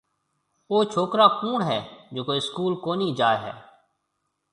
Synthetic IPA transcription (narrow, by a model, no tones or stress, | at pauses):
oːt͡ʃʰoːkɾaːkuːɳɦɛːd͡ʒoːkoːiskuːlkoːniːd͡ʒaːeɦɛ̰ː